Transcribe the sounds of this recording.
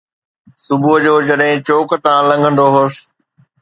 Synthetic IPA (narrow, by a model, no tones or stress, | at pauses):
sʊbʱuɦəd͡ʑoːd͡ʑɐɗɦɪ̃t͡ɕoːkt̪ãːlɐ̃ŋɡʱə̃nd̪oɦos